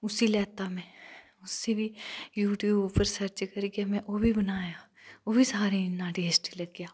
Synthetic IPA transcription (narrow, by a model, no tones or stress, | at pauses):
ʊsilɛːt̪amɛ̃ | ʊsːebʱijuːʈijuːbpəɾsɐɾt͡ʃkɐɾɡjamɛ̃ʔobʱibɐnaːja | obʱisaːɾinːaʈeːsʈilɐɡjaː